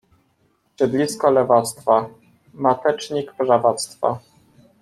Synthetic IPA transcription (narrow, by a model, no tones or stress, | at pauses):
ɕɛd̪lʲiskɔlɛvat̪st̪fa | mat̪ɛt͡ʂɲikpʐavat̪st̪fa̰